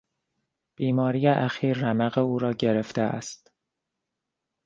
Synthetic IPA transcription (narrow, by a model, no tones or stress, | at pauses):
b̥iːmɒːɾiːjeʔæxiːɾːæmæɣeuːɾɒːɟe̞ɾe̞ft̪eʔæ̰st̪